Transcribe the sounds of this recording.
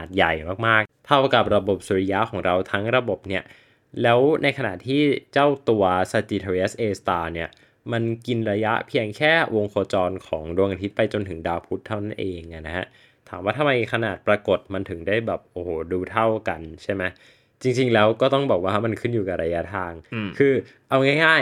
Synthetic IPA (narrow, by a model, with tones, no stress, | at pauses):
aː˨˩t̪̚ja˨˩jmaː˥˩k̚maː˥˩k̚t̪ʰa˥˩wka˨˩p̚ɾa˧bo˨˩p̚su˨˩˦ɾi˦˥ja˦˥ʔkʰɔː˩˦ŋɾa˧wt̪ʰa˦˥ŋɾa˧bo˨˩p̚ni˦˥˩ɐ | lɛː˦˥wna˧jkʰa˧na̰˨˩t̪ʰiː˥˩t͡ɕa˥˩wt̪u˧ɐsa˧t͡ɕiː˧t̪ʰo˧i˦a˦˥sʔeː˧st̪aː˧ni˥˩ɐ | ma˧nki˧nɾa˧ja˦˥ʔpʰi˧əŋkʰɛː˥˩wo˧ŋkʰoː˧t͡ɕɔː˧nkʰɔː˩˦ŋdu˧əŋʔa˧t̪ʰi˦˥t̪̚pa˧jt͡ɕo˧nt̪ʰɯ˩˦ŋdaː˧pʰu˦˥t̪ʰːa˥˩wna˥˩nʔeː˧ŋʔa˨˩na˦˥kha˦˥ʔ | t̪ʰaː˩˦mwaː˥˩t̪ʰma˧jkʰa˧naː˨˩t̪̚pɾa˧ko˨˩t̪̚ma˧nt̪ʰɯ˩˦ŋdaː˥˩jbɛː˨˩p̚ʔoː˨˩ho˨˩duː˧t̪ʰa˥˩wka˧nt͡ɕʰa˥˩jma˦˥j | t͡ɕi˧ŋt͡ɕi˧ŋlɛː˦˥wkɔː˥˩t̪ɔ˥˩ŋbɔː˨˩k̚waː˥˩ɦa˥˩ma˧nkʰɯ˥˩njuː˨˩ka˨˩ɾa˧ja˦˥t̪ʰaː˧ŋkʰɯː˧ | ʔa˧wŋaː˥˩jŋaː˥˩j